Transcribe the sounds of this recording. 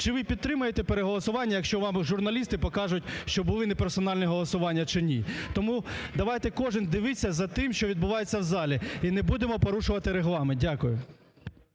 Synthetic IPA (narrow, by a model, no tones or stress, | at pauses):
t͡ʃɪʋɪpʲid̪̚t̪ːɾɪmʊjet̪ɛpeɾeɦɔlˠɔsʊʋɑnʲːɐjɐkʃt͡ʃɔʋɑmʒʊrnɐlʲist̪ɪpɔkɑʒʊt̚ʲʃt͡ʃɔbʊlˠɪnepeɾsɔnɑlʲnʲɛɦɔlˠɔsʊʋɑnʲːɐt͡ʃɪnʲit̪ɔmud̪ɐʋɑjt̪ɛkɔʒɪnʲd̪ɪʋɪt͡sʲːɐzɐt̪ɪmʃt͡ʃɔʋʲid̪̚bʊʋɑjet͡sʲːɐwzɑlʲiinɛbud̪emɔpɔɾuʃʊʋɐt̪ɪɾeɦlˠɑmɪdʲakʊjʊ